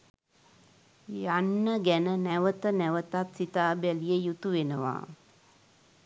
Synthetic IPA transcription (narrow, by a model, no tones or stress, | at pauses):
janːəɡænənæʋət̪ənæʋət̪at̪sit̪aːbælijəjut̪uʋenəʋa̰ː